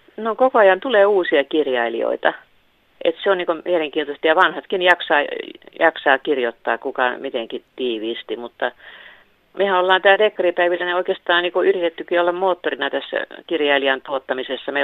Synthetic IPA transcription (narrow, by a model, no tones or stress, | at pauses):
nokokoɑjɑnt̪uleːuːsiɑkirjɑilio̰it̪ɑ | ʔḛt̪seonniːŋkomieleŋkiːnt̪ost̪jɑʋɑnhɑt̪kinjɑksɑːjɑksɑːkirjot̪ːɑːkukɑmit̪eŋkit̪iːʋiːst̪imut̪ːɑ | mehæolːɑːnt̪æːrekːɑripæiʋilːæneoikest̪ɑːniːkoyrit̪et̪ːykiolːɑmmoːt̪ːorinɑt̪æsːæ̰kirjɑiliɑnt̪uot̪ːɑmisesːɑme